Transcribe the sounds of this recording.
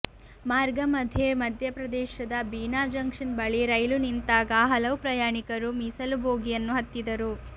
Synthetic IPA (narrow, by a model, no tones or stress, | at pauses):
maːɾɡɐmɐd̪ʱjemɐd̪ʱjɐpɾɐd̪ɛːʃɐd̪ɐbiːnaːd͡ʒɐŋkʂɐnbɐɭiɾɐjlunint̪aːɡɐɦɐlɐʋupɾɐjaːɳikɐɾumisɐlubʱoːɡijɐnːuɦɐt̪ːid̪ɐɾu